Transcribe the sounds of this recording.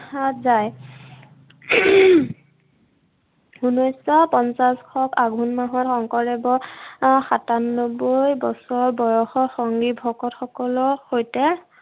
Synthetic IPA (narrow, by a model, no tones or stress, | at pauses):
atzaj | unɔjsɔpɔnsaskʰɔkaɡʱunmaɦɔtxɔŋkɔɹɛbɔxatanːɔbojbɔsɔɹbɔjɔxɔxɔŋɡibʱɔkɔtxɔkɔlɔxojtɛ